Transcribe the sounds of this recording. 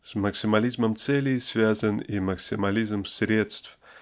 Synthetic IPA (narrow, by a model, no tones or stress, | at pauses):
sməksʲɪmɐlʲizməmt̪sɛlʲɪsvʲazəniməksʲɪmɐlʲizmsʲɾʲe̞t̪st̪f